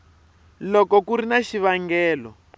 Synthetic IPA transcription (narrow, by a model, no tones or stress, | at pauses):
lɔkɔkuɾinaʃiβaŋɡɛːlɔ̰